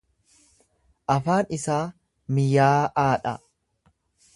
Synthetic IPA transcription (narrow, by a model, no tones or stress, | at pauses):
ʔɐfaːnɪsaː | mɪjaːʔaːᶑɐ̰